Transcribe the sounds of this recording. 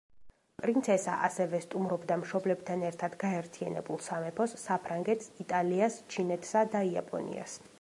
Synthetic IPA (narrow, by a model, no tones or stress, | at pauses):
pʼɾint̪sʰɛsa̰ʔasɛvɛst̪ʼumɾɔbd̪amʃɔblɛb̚t̪ʰanɛɾt̪ʰad̪ɡaɛɾt̪ʰia̰nɛ̰bulˠsamɛpʰɔsːapʰɾaŋɡɛt̪ʰsit̪ʼaliast͡ʃʰinɛt̪ʰsad̪aia̰pʼɔ̰nḭa̰s